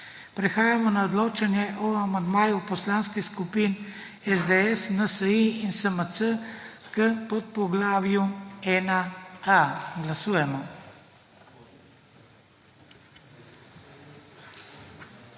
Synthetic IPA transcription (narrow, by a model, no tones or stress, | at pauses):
pɾɛxaːjamɔnaɔd̪loːt͡ʃanjɛʔɔamand̪maːjupɔslaːnskixskupin | ɛzd̪ɛɛsnəsəiinsəməsə | kəpɔt̪̚pɔɡlaːʋjuɛːnaaɡlasuːjɛmɔ